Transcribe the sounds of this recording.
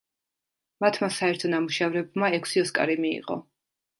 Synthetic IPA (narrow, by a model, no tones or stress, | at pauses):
mat̪ʰmasaɛɾt̪ʰɔnamuʃavɾɛbmaɛkʷʰsiɔskʼa̰ɾimiḭʁʼɔ̰